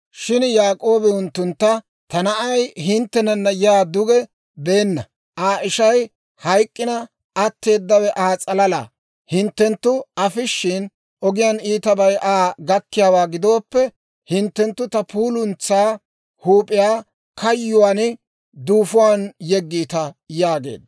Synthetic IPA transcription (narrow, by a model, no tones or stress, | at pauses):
ʃɪnjaːkʼo̞ːbɛʊnt̪ːʊnt̪ːɐ | t̪ɐnɐʔɐjɦɪnt̪ːɛnɐnːɐjɛaːd̪ʊɡɛ | be̞ːnːɐ | ʔaːʔɪʃɐj | hɐjkʼːɪnɐː | t̪ːe̞ːd̪ːɐwɛʔaːt͡sʼɐlɐla̰ː | hɪnt̪ːɛnt̪ːʊɐfɪʃːɪn | ʔɔɡɪjɐniːt̪ɐbɐjʔaːɡɐkːɪjaːwaːɡɪd̪o̞ːpːɛ | hɪnt̪ːɛnt̪ːʊt̪ɐpuːlʊnt͡sːaː | huːpʼɪjaː | kɐjːʊwaːn | d̪uːfʊwaːnjɛɡːiːt̪ɐjaːɡe̞̰ːd̪ːɐ